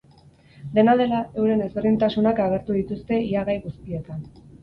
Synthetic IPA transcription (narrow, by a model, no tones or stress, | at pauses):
d̪e̞naðe̞lae̞wɾe̞ne̞zβerint̪asunakaɣ̞e̞ɾt̪uðit̪ust̪e̞iaɣajɣust̪ie̞t̪an